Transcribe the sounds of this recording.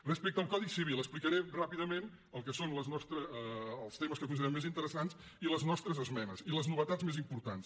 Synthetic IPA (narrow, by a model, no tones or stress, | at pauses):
rəspɛk̚t̪əlˠkɔðisiβ̞ilˠəsplikəɾerapiðəmen | əlˠkəsonləznɔst̪ɾəːlˠst̪eməskəkuns̬iɛmːezint̪əɾəsans | iləznɔst̪ɾəzəzmɛnəziləznuβət̪ad͡zzmezimpuɾt̪ans